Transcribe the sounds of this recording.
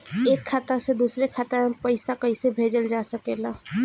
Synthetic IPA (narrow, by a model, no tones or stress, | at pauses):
eːkʰːat̪ased̪uːsɾekʰat̪əpəɪsakəɪsebʱeːd͡ʒəld͡ʒaːsəkeːla